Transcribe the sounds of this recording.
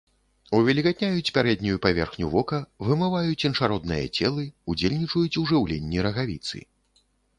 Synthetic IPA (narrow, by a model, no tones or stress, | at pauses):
uvʲɛlʲikat̪ʲnʲajut͡sʲpʲaɾɛd̪nʲujupavʲɛrxnʲuvɔkɐvɨmɨvajut͡sʲinʂaɾɔd̪nɨjɐ̰t͡sʲɛlˠɨud͡zʲelʲnʲit͡ʂujut͡sʲuʐɨwlʲenʲːiɾɐɣavʲit̪sɨ̰